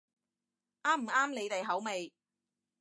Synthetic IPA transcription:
ʔaː˥m̩˨˩aː˥mne˨˧jt̪e˨jɦɐ˨˥wme˨j

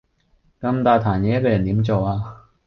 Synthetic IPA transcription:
kɐ˧mt̪aː˧˩t̪ʰaː˨˩njɛ˧˦˥kə˧˩ja˨˩nt̪i˨˩˥mt͡ɕo˨˩aː˧

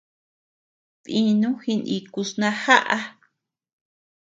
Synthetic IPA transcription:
tĩ˧nũ˦xi˧nḭ̃˧ku˧snã˧ha˦ʔa˦

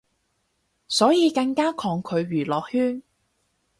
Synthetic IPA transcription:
sɔː˨˥jiː˨˧kɐ˧ŋkaː˥kʰɔː˨˧ŋkʰɵ˨˧ɥɥyː˨˩lɔː˨k̚hyː˥n

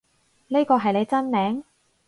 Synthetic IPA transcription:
niː˥kɔː˧ɦɐ˨jne˨˧jt͡sɐ˥nmɛː˨˥ŋ

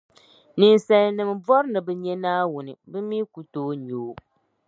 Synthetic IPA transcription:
nɨ˨n˨sɛ˨lnɨ˨m˨vɔ˦ɾɨ˦nɨ˨bɨ˨˦ɲɛ˦naː˦wʊ˨nɨ˨bɨ˦mi˦ku˨toː˦ɲoː˨˦

